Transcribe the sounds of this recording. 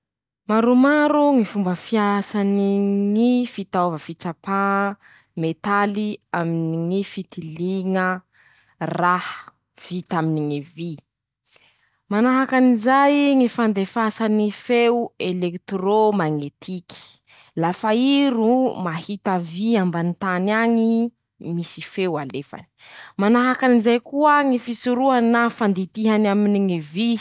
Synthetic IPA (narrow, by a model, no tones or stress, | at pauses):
maɾumaɾuŋifumbəfiasaniŋifit̪avəfit͡sapa | met̪aliaminiŋifit̪iliŋə | rah | v̥it̪aminiŋivi | manaɦakanizajŋifand̪efasanifewuelekt̪romaŋet̪ʰiki̥ | lafaiɾumahit̪aviambanit̪anaɲi | misifewalefa̰ni̥manaɦakanizajkuəŋifisuɾuanafand̪it̪iɦanaminiŋevi